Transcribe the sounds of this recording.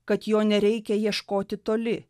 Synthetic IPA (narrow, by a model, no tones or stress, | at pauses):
kɐt̪joːnʲɛɾʲɛɪkʲɛjiɛʃkoːt̪ʲɪt̪oːlʲɪ